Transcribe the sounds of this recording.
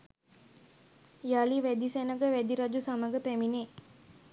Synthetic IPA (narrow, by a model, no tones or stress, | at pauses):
jaliʋæd̪isænəɡəʋæd̪iɾad͡ʒusaməɡəpæmine